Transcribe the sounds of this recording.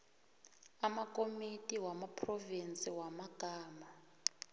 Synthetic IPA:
amakʼomitʼiwamapʰrɔvint͡sʼiwamaɡ̥ʱaːma

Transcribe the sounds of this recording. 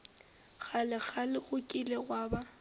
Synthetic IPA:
ɣʰalɪɣʰalɪɣʊkʼileɣwaːba

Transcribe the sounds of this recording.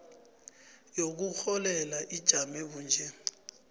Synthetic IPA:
jok̬uxɔlɛlaʔid̥ʒ̥ʱamɛɓuːnd͡ʒʱɛ

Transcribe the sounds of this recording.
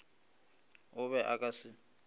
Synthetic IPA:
ʊβɛʔakʼasɪ

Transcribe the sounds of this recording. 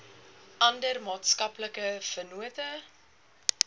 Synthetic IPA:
ʔɐndərmɑːtskɐpləkəfərnuətə

